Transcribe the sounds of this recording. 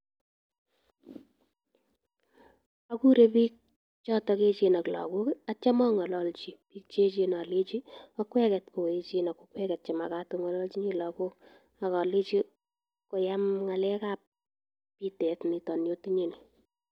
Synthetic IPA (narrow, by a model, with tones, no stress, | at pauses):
aku˦ɾe˦piː˦k̚ | t͡ʃɔ˦tɔ˦ke˦t͡ʃe˨na˨klɔ̰˨kʊ˦ka˦t͡ʃa˦mɔ˦ŋɔ˨lɔ˦lt͡ʃi˨pi˦k̚t͡ʃe˦t͡ʃena˨le˦t͡ʃi˦ɔ˦kwɛ˦kɛ˨tko˨e˨t͡ʃe˦na˨kokwɛ˦kɛ˨t̚t͡ʃɛ˨ma˨ka˦tu˦ŋɔ˦lɔ˦lt͡ʃi˦ɲi˦lɔ˨kʊ˦k | a˨kɔ˨le˦t͡ʃi˦ | ko˨ja˦mŋa˨lɛ˦kap̚ː | i˦tɛ˨tni˨tɔ˨njo˦ti˦ɲi˦ni˨